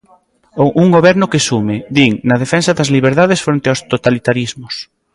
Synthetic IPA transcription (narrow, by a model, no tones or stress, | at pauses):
ouŋɡoβɛɾnʊkesumed̪iŋnɐðefɛnsaðɐzliβ̞eɾðaðesfɾõnt̪eawst̪ot̪alit̪aɾizmʊs